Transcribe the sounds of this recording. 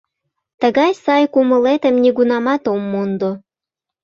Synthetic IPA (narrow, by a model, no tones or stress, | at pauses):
t̪əɣɑjsɑjkuməlet̪əmnʲiɡunɑmɑt̪omːond̪o